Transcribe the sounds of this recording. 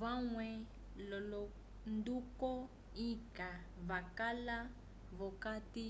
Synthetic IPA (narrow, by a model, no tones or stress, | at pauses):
βaŋwɛ | lɔlɔ | ndukɔ | ika | βakala | βɔkati